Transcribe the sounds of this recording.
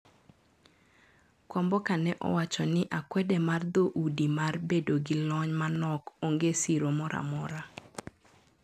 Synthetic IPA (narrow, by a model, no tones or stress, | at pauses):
kwɔmbɔkanɛʔɔ̰wat͡ʃɔnɪʔakwɛdɛmard̪oʔudimarbedoɡɪlɔɲmanɔkoŋɡesiɾomɔɾʔa̰mɔɾa